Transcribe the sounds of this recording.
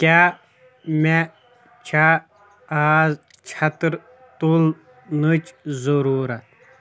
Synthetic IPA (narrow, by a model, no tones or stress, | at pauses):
kʲaː | me | t͡ʃʰa | aːz | t͡ʃʰɐt̪ɾ | t̪ul | nɨt͡ʃzɐɾuːɾɐt̪̚